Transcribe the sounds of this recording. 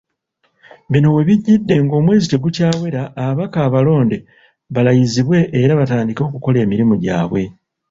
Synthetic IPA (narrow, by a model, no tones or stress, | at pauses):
βino̞we̞βiɟːidːe̞ŋɡo̞ːmwe̞ːzite̞ɡucaːwe̞ɾaʔːβakaːβalo̞ːnde̞ | βalajiziβwe̞ʔːɾaβataːndiko̞kuko̞le̞ːmiɾimuɟa̰ːβwe̞